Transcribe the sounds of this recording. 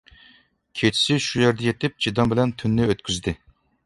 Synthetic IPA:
kʲʰet͡ʃʰɪ̥sɪʃujeɾd̪ɛjet̪ɪp̚d͡ʒʰid̪ɑmbɪlɛnt̪ʰynːɪøt̪kʲʰyzd̪ɪ

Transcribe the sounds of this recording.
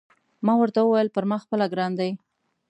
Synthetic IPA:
mɑwəɾt̪awəwajəlpəɾmɑxpəlaɡɾɑnd̪aj

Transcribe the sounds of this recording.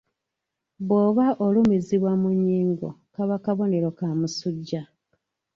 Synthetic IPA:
βwoːβaʔolumiziβwamuɲːiːŋɡo̰kaβakaβo̞ne̞ɾo̞kamusuɟːa

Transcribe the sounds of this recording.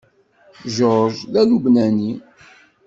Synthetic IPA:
ʒoɾʒðælubnæni

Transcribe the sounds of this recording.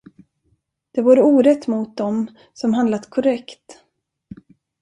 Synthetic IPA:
d̪̥ɛvuːɾəuːɾət̪ːmʊt̪̚d̪ɔm | sɔmɦand̪lat̪kʰɔɾɛkt̪

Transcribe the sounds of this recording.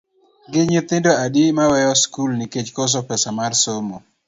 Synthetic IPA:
ɡɪɲɪt̪ɪndoadimawɛjɔskulniket͡ʃkos̬ɔpɛsamarsomo

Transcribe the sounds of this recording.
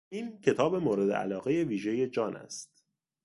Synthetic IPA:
iːncʰe̞t̪ʰɒːbe̞moːɾe̞d̪e̞̰ʔæ̰lɒːɣe̞je̞viːʒe̞je̞d͡ʒɒːnʔæ̰st̪̚

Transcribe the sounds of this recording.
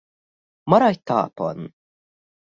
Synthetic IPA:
mɐɾajt̪ʰːa̰ːpo̰n

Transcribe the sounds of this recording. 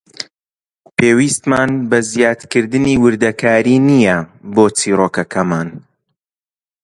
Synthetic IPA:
peːwiːst̪maːnbɐzjaːt̪kɨɾd̪ɨniːwɨɾd̪ɐkʰaːɾiːnijɐboːt͡siːɾoːkɐkʰɐmaːn

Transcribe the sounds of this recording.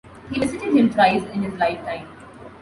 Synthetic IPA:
hiːʋɪzɪʈɪɖ̚hɪ̃mʈɾaɪzɪ̃nhɪzlaɪfʈãɪ̃m

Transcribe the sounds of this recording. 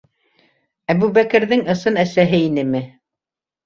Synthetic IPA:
æbuβækɘ̆ɾðɘŋɤ̆sɤnæsæɦɘinɘmɘ

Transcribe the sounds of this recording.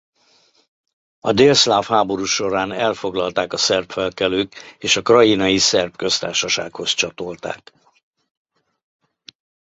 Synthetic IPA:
ɒd̪eːlslaːfhaːbo̞ɾuːʃo̞ɾaːnɛlfo̞ɡlɒlt̪aːkɒsɛrpfɛlkɛløːkeːʃɒkrɒjinɒjisɛrpkø̞st̪a̰ːrʃɒʃa̰ːkho̞st͡ʃɒt̪o̞lt̪a̰ːk

